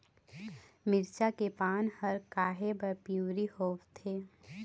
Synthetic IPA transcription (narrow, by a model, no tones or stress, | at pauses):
mɪɾt͡ʃakepaːnhɐɾkaːɦebɐɾpjuːɾihoːʋt̪ʰeː